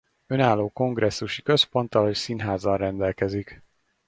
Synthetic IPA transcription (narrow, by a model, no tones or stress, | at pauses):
ø̞naːlːoːko̞ŋɡrɾʔɛsːuʃikø̞spo̞nt̪ɒlocsinɦaːzɒnrɛnd̪ɛlkɛzik